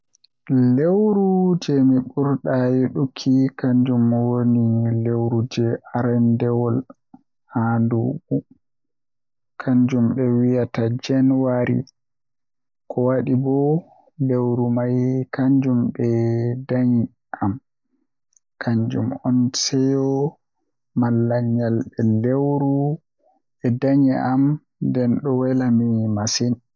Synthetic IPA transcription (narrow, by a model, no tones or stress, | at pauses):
lewɾud͡ʒɛmiɓuɾɗajeɗukʰːikaɲd͡ʒumːwonilewɾud͡ʒɛaɾɛndɛwɔl | handubu | kʰaɲd͡ʒumɓɛwijatad͡ʒɛnwaɾḭ | kʰɔwaɗibɔ | lewɾumajkaɲd͡ʒumɓɛdaɲi | ʔam | kʰaɲd͡ʒṵmɔnsɛjɔ | malːaɲːalɓɛdewɾu | ɛdaɲiʔam | ndɛnɗɔwɛlamimasin